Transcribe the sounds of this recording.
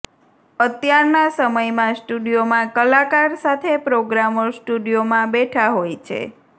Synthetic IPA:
ət̪jaɾnasəməjmãsʈuɖijomãkəlakaɾsat̪ʰepɾoɡɾaməsʈuɖijomãbeʈʰaɦojt͡ʃʰḛ

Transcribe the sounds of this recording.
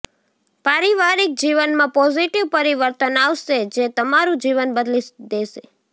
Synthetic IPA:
paɾiʋaɾik̚d͡ʒiʋənmãpɔziʈiʋpəɾiʋəɾt̪ənaʋʃed͡ʒet̪əmaɾũd͡ʒiʋənbəd̪lid̪eʃe

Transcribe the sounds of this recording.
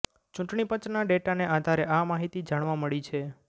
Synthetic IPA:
t͡ʃũʈɳipət͡ʃnaɖeʈaneʔad̪ʱaɾeʔamaɦit̪id͡ʒaɽ̃ʋaməɭit͡ʃʰe

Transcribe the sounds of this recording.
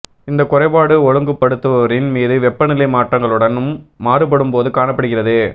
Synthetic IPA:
ɪnd̪ɐkʊrɐɪpaːɽɯɔɻɯŋɡɯpːɐɽɯt̪ːɯʋɐʋɐɾɪnmiːðɯʋɛpːɐnɪlɐɪmaːʈrɐŋɡɐɭɯɽɐnɯmːaːɾɯpɐɽɯmpoːðɯkaːɳɐpːɐɽɯɣɪrɐðɯ

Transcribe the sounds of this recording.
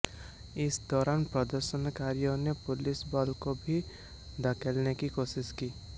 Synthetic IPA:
ɪsd̪ɔːɾaːnpɾəd̪əɾʃənkaːɾijõnepʊlɪsbɔːlkobʱi | d̪akʰəlnekikoːʃɪʃkiː

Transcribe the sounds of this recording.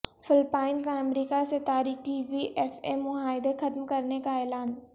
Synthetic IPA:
fɪlpaːɪnkaɐmɾiːkaset̪aːɾiːxiʋiʔɛfemːʊɦaːɪd̪exɐt̪mkɐɾnekaɛːlaːn

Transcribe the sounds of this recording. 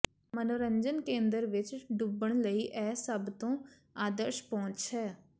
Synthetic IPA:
mənoːɾəɲd͡ʒənkẽːnd̪əɾʋɪt͡ʃɖubəɳ̃ləiːʔɛːsəbt̪õː | aːd̪əɾʃpɔ̃ːt͡ʃʃɛː

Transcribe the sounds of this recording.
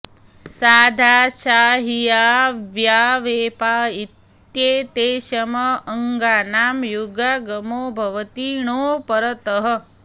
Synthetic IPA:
saːd̪ʱaːʃaːɦijaːʋjaːʋeːpaːit̪ | jeːt̪eːʃɐmɐəŋɡaːnaːmjuɡaːɡɐmoːbʱɐʋɐt̪iːɳ̃oːpɐɾɐt̪ɐɦə̆

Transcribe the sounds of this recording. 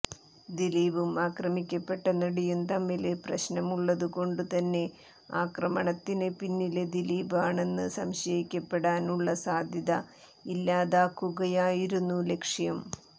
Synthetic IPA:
d̪iliːbumaːkrɐmikʲːɐpːe̞ʈːɐnɐɽijumt̪ɐmːileprɐ̰ɕnɐmuɭːɐðuko̞ɳɖut̪ɐnːe̞ | aːkrɐmɐɳɐt̪ːinɨpinːiled̪iliːbaːɳe̞nːɨsɐmɕɐjikʲːɐpːe̞ɽaːnuɭːɐsaːd̪ʱjɐðɐ | ilːaːðaːkːuɣɐjaːjiɾunːule̞kʂjɐm

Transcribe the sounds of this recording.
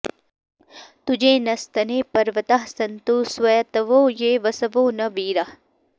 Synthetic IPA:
t̪ud͡ʒẽːnɐst̪ɐneːpɐɾʋɐt̪aɦsɐnt̪uːsʋɐjɐt̪ɐʋoːjeːʋɐsɐʋoːnɐbiːɾɐh

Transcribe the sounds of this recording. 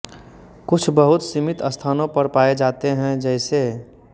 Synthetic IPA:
kʊt͡ʃʰbəɦʊt̪simɪt̪əst̪ʰaːnõpəɾpaːed͡ʒaːt̪eɦɛ̃d͡ʒɛːɪse

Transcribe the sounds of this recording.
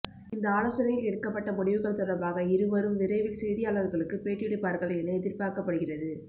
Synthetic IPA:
ɪnd̪ɐaːlɐsɐɾɐjɪlɛɽɯkːɐpːɐʈːɐmʊɽɪʋɯɣɐɭt̪ɔɾɐbaːɣɐɪɾɯʋɐɾɯmʋɪɾɐɪʋɪlsɛjðɪjaːlɐʋɯɾɣɐɭɯkːɯpeːʈːɪɪɽɪpːaːɾɣɐɭɐɛnɐɛðɪɾpaːkɐpːɐɽɯɣɪrɐðɯ

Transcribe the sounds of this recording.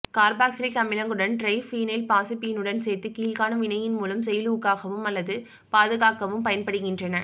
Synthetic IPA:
kaːɾbaːksɪlt̪ɐmɪlɐŋɡɯɽɐnɖrɐɪfiːnɐɪlpaːsɯpːijɪnɯɽɐnsɛːt̪ːɯkiːlɣaːnɐmʋɪnɐjɪnmuːlɐmsɛjɐluːkːaːɣɐʋɯmɐlːɐðɯ | paːðɯɣaːkɐʋɯmpɐjɐnpɐɽɯɣɪndrɐnɐ

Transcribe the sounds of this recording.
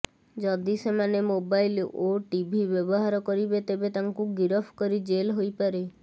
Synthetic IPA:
d͡ʒɔd̪isemanemobajloʈibʱibjɔbɔɦaɾɔkɔɾibet̪ebet̪aŋkuɡiɾɔpʰkɔɾid͡ʒelɦojpaɾe

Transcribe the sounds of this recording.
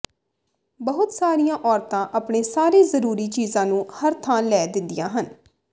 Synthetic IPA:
bəɦʊt̪saːɾijãːʔɔːɾt̪ãːʔəpɳeːsaːɾiːzəɾuːɾiːt͡ʃiːzãːnũːhəɾt̪ʰãːlɛːd̪ɪnd̪ɪjã̰ːɦən

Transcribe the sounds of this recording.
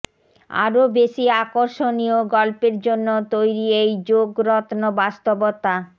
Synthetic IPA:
a̰ɾobeʃiakoɾʃonioɡɔlpeɾd͡ʑonːot̪ojɾiejd͡ʑoɡɾɔt̪nobast̪obot̪a

